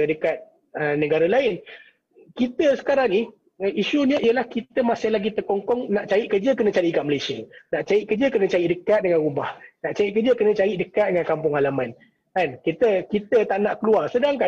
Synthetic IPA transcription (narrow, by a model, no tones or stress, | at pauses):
dəkat̪̚ | ənəɡaɾəlaɪn | kit̪əsə̥kaɾaŋnih | əiʃunəʔijəlahkit̪əmasahlaɡit̪ərkɔŋkɔŋnaʔt͡ʃaiʔkərd͡ʒəkənə̃t͡ʃaɾiʔkaməlesiənaʔt͡ʃaiʔkərd͡ʒəkənə̃t͡ʃaiʔdəkat̪̚dəŋanɾubahnaʔt͡ʃaiʔkərd͡ʒəkənə̃t͡ʃaɾiʔdəkat̪̚dəŋankampʊŋalaman | ankit̪əkit̪ət̪aʔnaʔkəluarsədaŋka